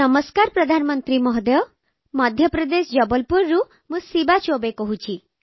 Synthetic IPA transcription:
ɔmɔskaɾpɾɔd̪ʱanɔmɔnt̪ɾimɔɦd̪ɔjɔ | mɔd̪ʱjɔpɾɔd̪esd͡ʒɔbɔlpuɾːu | mũsibat͡ʃobekɔɦut͡ʃʰi

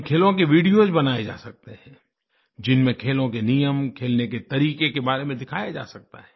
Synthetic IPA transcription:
kʰeːlõkeʋiːɽijozbɐnaːed͡ʒa̰ːsɐk̚t̪eɦɛ̃ː | d͡ʒɪnmẽkʰeːlõkenijəmkʰeːlneket̪ɐɾiːkekebaːɾemẽd̪ɪkʰaːjad͡ʒa̰ːsɐk̚t̪a̰ɦɛː

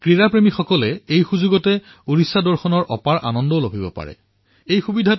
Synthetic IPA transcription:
kɹiɹapɹemixɔkɔlɛejxuzuɡɔtɛ | uɹisːadɔɹxɔnɔɹʔɔ̰paɹʔa̰nɔndɔlobʱibɔ̰pa̰ɹɛ̰ | ejxubidʱa

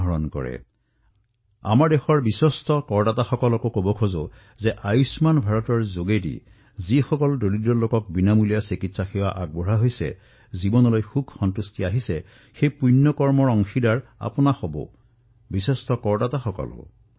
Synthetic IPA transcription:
ɔɹɔnkɔ̰ɹɛ̰ | a̰maɹdexɔɹbisɔstɔkɔɹdataxɔkɔlɔkokobɔkʰozo | zɛʔajusmanbʱaɹɔtɔɹzoɡedḭ | zixɔkɔldolidɔlokɔk̚binamulijasikitsaxɛwaʔaɡ̚bɔɹaɦojsɛ̰ | zibɔnɔlojxubʱxɔntustiaɦisɛ | xejpujnːɔkɔɹmɔɹɔŋxidaɹa̰pɔnaxɔbɔ̰ | bisestɔkɔɹdataxɔkɔ̰lɔ̰

